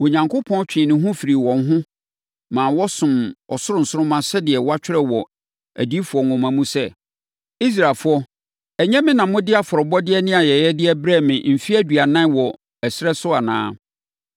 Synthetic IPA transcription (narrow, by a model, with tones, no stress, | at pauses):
o˨ɲã˨ŋkʰʊ˦pʰɔ̃˦n˦t͡ɕᶣɪ̃˨nʊ̃˨ɦʊ̃˦fi˨ɾi˨wɔ̃˨n˦ɦʊ̃˦ | mãː˨wɔ˦sʊ̃˨mɔ̰˨sʊ˦ɾʊ̃˨n̩˨sʊ˦ʊ̃˦mã˦sɛ˦dɪ˨ɛ˨wɔ˦a˦t͡ɕᶣɪ˦ɾɛ˦wɔ˨ | æ̰˨di˦fu˨ɔ˨nʊ̃˨mã˨mũ˦sɛ˦ | i˦s̬ɾa˨fʊ˦ɔ˦ | ɛ˨ɲɛ̃˦mɪ̃˦nã˨mʊ̃˦dɪ˦a˨fɔ˨ɾɔ˨bɔ˦dɪ˦ɛ˦nɪ̃˦a˨jɛ˨jɛ˦dɪ˦ɛ˦bɾɛ˦˨mɪ̃˨m̩˨fi˦æ˦dɥa˨nã˦wɔ˨ | ɛ˨sɪ˦ɾɛ˦sʊ˦a˨nã̰ː˦